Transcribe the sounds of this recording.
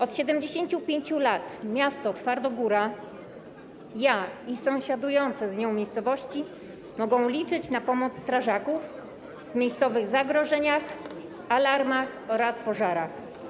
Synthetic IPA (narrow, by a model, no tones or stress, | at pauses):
ɔt̪ɕɛd̪ɛmd͡ʑeɕeɲt͡ɕupʲjeɲt͡ɕulat̪mʲjast̪ɔt̪faɾd̪ɔɡuɾa | jaisɔ̃w̃ɕad̪ujɔnt̪sɛzɲɔ̃w̃mʲejst̪sɔvɔɕt͡ɕi | mɔɡɔ̃w̃lʲit͡ʂɘt͡ɕnapɔmɔt̪st̪ɾaʐakuf | vmʲjejst̪sɔvɘɣzaɡɾɔʐɛɲax | alaɾmax | ɔɾaspɔʐaɾax